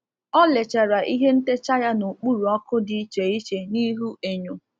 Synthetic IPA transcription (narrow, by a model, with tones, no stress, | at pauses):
ɔ˦le˨t͡ʃa˨ɾa˨ʔi˦ɦe˦n̩˦te˦t͡ʃa˦ja˦nu˨k͡pu˦ɾu˨ɔ˦kʊ˦di˦t͡ʃe˨i˦t͡ʃe˨ni˦ɦu˦ʔe˨ɲo˨